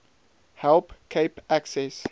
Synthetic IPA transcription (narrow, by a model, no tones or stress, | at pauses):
hɛlpkʰeɪpæksɛs